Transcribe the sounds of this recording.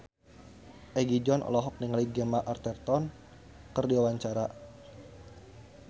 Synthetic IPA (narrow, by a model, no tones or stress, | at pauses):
ʔɛɡid͡ʒɔnʔɔ̰lɔɦɔk̚niŋaliɡɛmaʔart̪ɛrt̪ɔn | kɨrdiwawaɲt͡ʃaɾa